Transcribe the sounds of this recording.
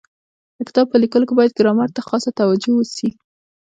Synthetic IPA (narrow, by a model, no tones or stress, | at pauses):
d̪̥əkɪ̥t̪ɑb̚pəlikəlokebɑjad̪̚ɡɾɑmaɾt̪axɑsat̪awad͡ʒowəsi